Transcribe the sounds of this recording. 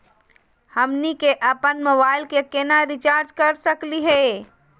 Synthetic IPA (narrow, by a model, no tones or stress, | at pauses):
həmnikeʔəpənməbaɪlkekenaɾɪt͡ʃaːɾd͡ʒkəɾsəkliɦɛ